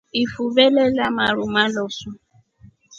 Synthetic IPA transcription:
ifuβɛlɛlamaɺumalɔsɔ

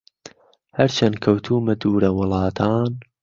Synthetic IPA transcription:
hɐɾt͡ʃʰɐnkʰɐwt̪ʰuːmɐd̪uːɾɐwʊlˠɑːt̪ʰaːn

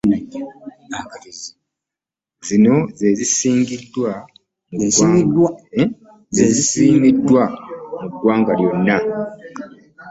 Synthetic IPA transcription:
zino̞ze̞zisiːŋɡidːwa | muɡwd | zeezisiːmidːwamuɡːwaːŋɡaljo̞nːa

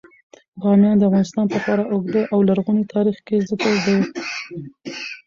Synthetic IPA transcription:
ɣɑmjɑnd̪əavɣɑnɪst̪ɑnpapɑɾaʔʊɡd̪əʔawlaɾɣunit̪ʰɑɾixkezɪkəɾd̪awi

